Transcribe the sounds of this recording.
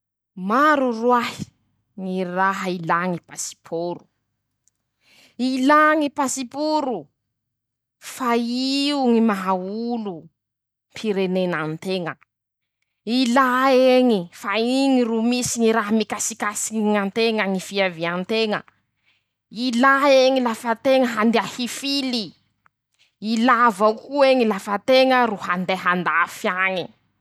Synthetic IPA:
maɾurwahi̥ | ŋiraɦəilaŋipasi̥pʰoɾu | ilaŋipasipuɾu | faiuŋimaɦaulu | mpʰiɾenenant̪eŋə | ilaeŋifaiŋiɾumisiŋiɾaɦamikasikasiiŋant̪eŋaŋifiaviant̪eŋə̰ | ilaeŋilafət̪eŋəɦand̪eahifili | lavakueŋilafət̪eŋəruɦand̪eɦand̪afjaŋi

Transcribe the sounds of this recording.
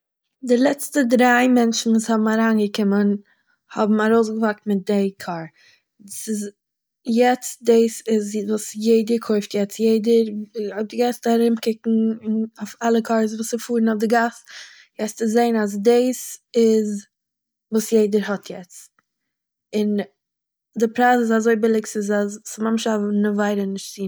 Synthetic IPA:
dɪlˠɛt͡stədɾaɪmɛnʃn̩vuːshɔbm̩aɾaːnɡəkɪmən | hɔbm̩aɾoʊs̬ɡəvak̚tmɪt̚deɪkʰaːɾ | sɪz | jɛt͡s̚dɪːsɪzvuːsjeɪdəɾkʰoɪftjɛt͡sjeɪdəɾʊp̚dɪɡastaɾɪmkɪkŋ̩ɪnoʊfalˠəkʰaɾs̬vuːsɪfuːɾnaʊfdɪɡas | jɛt͡st͡sɪzeɪnaz̬deːsɪz | vuːsjeɪdəɾhɔtʰjɛt͡s | ɪn | dɪpɾaːsɪzazoɪbɪlˠɪksɪzasmamʃavnəvaɪɾənɪʃtt͡siː

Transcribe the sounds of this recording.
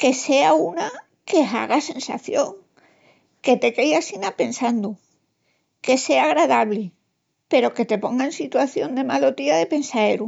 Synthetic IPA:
ke̞se̞auna | ke̞ɦa̰ɣase̞nsa̰θjo̞ŋ | ke̞t̪e̞kejasinape̞nsand̪u | ke̞se̞aɣɾaðaβli | pe̞ɾo̞ke̞t̪e̞po̞ŋɡaensit̪waθjo̞nd̪e̞malo̞t̪iaðe̞pe̞nsae̞ɾu

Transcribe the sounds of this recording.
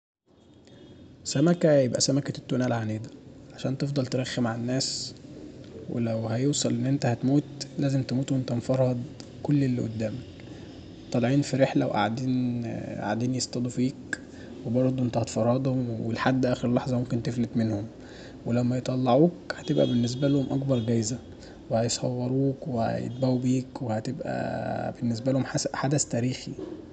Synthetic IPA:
sæmækæjebʔæ̰sæmækæt̪ːonæːlʕaneːd̪æʕaʃæːnt̪efd̪ˤɑlt̪eɾæxːemaʕanːæːs | wḛlæwhæjowsˤɑlʔenːʔent̪æhæt̪muːt̪læːzemt̪emuːt̪uwʔent̪æmfɑɾˤːɑd̪ˤ | kolːelːiʔo̰d̪ːæːmæk | t̪ˤːɑlʕiːnfiɾeħlæweʔa̰ʕd̪iːnʔa̰ʕd̪iːnjest̪ˤɑd̪ˤufiːk | webɑɾˤd̪ˤuʔent̪æhɑt̪fɑrˤːɑd̪ˤhomwḛlħad̪ːʔæːxeɾlːɑħzˤɑmomkent̪eflet̪menhom | welæmːæjet̪ˤɑlːɑʕuːkhæt̪ebʔæ̰benːes̬bælohomʔɑɡbɑɾˤɡæjzæ | wehæjesˤhɑwːɑɾˤuːkwehæ̰jḛt̪̚bæubiːkwehæt̪ebʔæ̰benːes̬bælohomħasæħad̪æst̪æːɾiːxi

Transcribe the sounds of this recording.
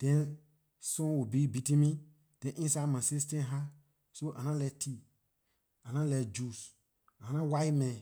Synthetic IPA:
d̥ɛ̃n | sɔ̃wubibitĩmĩ | d̥ɛ̃nʔĩnsamãsistɛ̃ɦa | soʔanãlɛtʰi | anãlɛd͡ʒus | ãnãwajmɛ̃

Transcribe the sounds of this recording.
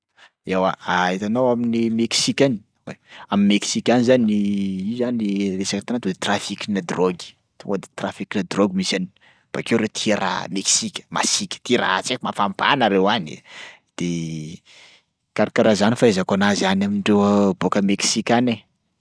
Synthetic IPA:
ewaait̪anowaminimeksikʲani̥ | wḛamimeksikʲanizaniizaniresakat̪anat̪ud̪et̪rafikʲinad̪roɡi̥ | t̪uŋɡad̪et̪rafikinad̪roɡimisani | b̥a̰kewɾet̪ʰieɾa̰meksikʲə̥ma̰sikʲə̥t̪iɾa̰at͡sekmafamba̰naɾewanḭ | d̪̥e | kaɾakaɾazanifaezakonazanamiɳɖ͡ʐewəbokəmeksikʲane

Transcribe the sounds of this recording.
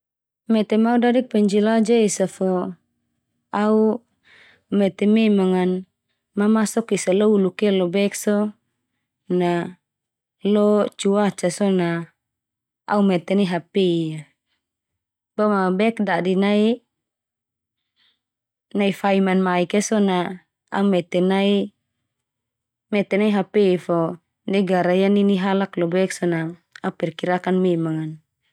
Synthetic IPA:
mɛt̪ɛmaudadik̚pɛɲd͡ʒilad͡ʒaisafɔ | au | mɛt̪ɛmɛmaŋan | mamasɔkisalɔulukɛlɔbɛksɔ | na | lɔt͡ʃuat͡ʃasɔna | a̰umɛt̪ɛniɦapeia | bamabɛkdaʔdinai | naifaimanmaikɛsɔna | a̰umɛt̪ɛnai | mɛt̪ɛnaiɦapeifɔ | nɛɡaɾajaniniɦalaklɔbɛksɔnaaupɛrkiɾakanmɛmaŋan

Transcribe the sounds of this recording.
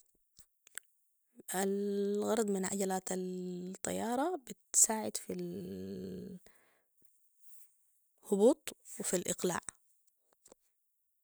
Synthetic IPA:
alɣɑɾˤɑd̪ˤmɪnʕa̰ɟalaːt̪alt̪ˤːɑ̰jːɑːɾˤɑbɪt̪saːʕɪd̪fil | hʊbuːt̪ˤwɪfilʔɪqla̰ːʕ

